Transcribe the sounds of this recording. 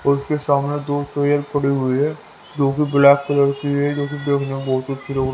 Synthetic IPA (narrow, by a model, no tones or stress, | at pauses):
ɔːɾʊskesaːmned̪oːt͡ʃəjəɾpɐɽiɦʊiɦɛ | d͡ʒoːkibɪlɛːkːələɾkiɦɛd͡ʒoːkid̪eːkʰnãbɔɦʊt̪ɐtːʃʰiloːɡ